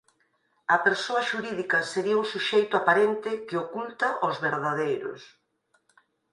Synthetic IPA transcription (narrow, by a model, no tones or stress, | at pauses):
ɐpeɾsoɐʃuɾiðikɐseɾiɐuŋsuʃejt̪ʊapaɾent̪ɪkeokult̪ɐʔozβeɾðaðejɾʊ̰s